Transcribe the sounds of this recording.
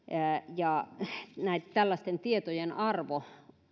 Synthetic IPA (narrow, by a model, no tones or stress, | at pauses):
jɑ | næˑit̪t̪ælːæst̪ent̪iet̪ojenɑrʋo